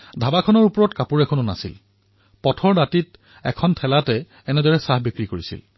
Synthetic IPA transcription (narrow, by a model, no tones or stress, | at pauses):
dʱabakʰɔnɔɹupɔɹɔtkapuɹɛkʰononasil | pɔtʰɔɹdatit | ɛkʰɔntʰɛlatɛː | nɛdɔɹɛsahbikɹikoɹisḭl